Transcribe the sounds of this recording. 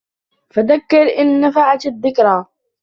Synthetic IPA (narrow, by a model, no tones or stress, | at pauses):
faðakːɪɾʔɪnːafaʕat̪aðːɪkɾˤa